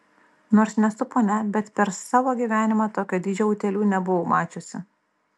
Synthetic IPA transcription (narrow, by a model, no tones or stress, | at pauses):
noːɾsnʲɛsʊpoːnʲɛbʲɛt̪pʲɛɾsɑːʋoːɡʲiːʋʲæːnʲɪmɑt̪oːkʲoːd̪ʲiːd͡ʒʲoʊːt̪ʲɛlʲuːnʲɛbʊʋomɑːt͡ʃʲʊsʲɪ